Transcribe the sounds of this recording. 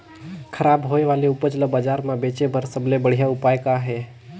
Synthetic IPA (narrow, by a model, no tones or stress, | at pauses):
kʰəɾaːbɦoːeʋaːleʊpət͡ʃləbad͡ʒaːɾmãbeːt͡ʃebʱəɾsəbʱlebəɽ̤ijaʊpaːjkaɦeː